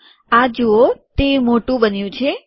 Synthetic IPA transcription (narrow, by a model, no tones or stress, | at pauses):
ad͡ʒoot̪emoʈũbənjũt͡ʃʰe